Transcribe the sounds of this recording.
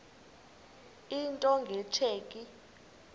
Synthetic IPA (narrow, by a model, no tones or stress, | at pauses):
intʼɔŋɡʱɛtʰeːkʼi